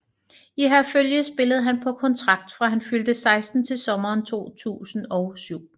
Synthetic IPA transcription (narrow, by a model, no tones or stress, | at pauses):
iɦæɐføljəsb̥e̝ləð̞̩ˠɦænpʰɒ̽kʰɒ̽nt͡sʰʁɑ̈ɡ̥̚d̥fʁɑ̈ɦænfyld̥əsɑ̈ɪsd̥n̩t͡sʰe̝lsɒ̽mɐːnt͡sʰo̝̰ːt͡sʰṵːsn̩ɒ̽ʊsyʊ̰